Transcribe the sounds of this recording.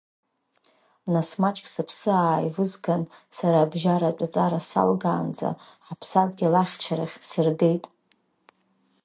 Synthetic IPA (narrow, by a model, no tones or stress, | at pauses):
nasmat͡ʃʼkʼsɨpʰsɨaːjvɨzɡansaɾaːbʒaɾat͡ʃʷʼat͡sʼaɾasa̰lɡaːnd͡za̰ħapʰsadʼɡʲalaχʲt͡ʃʰaɾaχʲsɨrɡe̞jtʼ